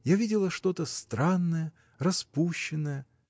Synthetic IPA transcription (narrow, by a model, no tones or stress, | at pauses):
javʲidʲɪlˠəʂt̪o̞t̪əst̪ɾanːəjə | rɐspuɕːɪnːəjə